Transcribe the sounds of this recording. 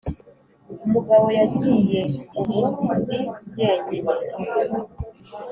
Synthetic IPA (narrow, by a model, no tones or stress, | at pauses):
umuɡaβo̞jaɡɟiːjeumudiɟeːɲeβa